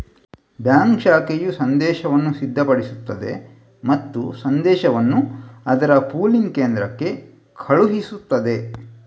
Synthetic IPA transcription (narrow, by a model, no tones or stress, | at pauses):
bjaːŋkʃaːkejusɐnd̪ɛːʃɐʋɐnːusid̪ʱːɐpɐɽisut̪ːɐd̪e̞̰ | mɐt̪ːṵsɐnd̪ɛːʃɐʋɐnːuɐd̪ɐɾɐpuːlinkeːnd̪ɾɐkːe̞ | kʰɐɭuɦisut̪ːɐd̪e̞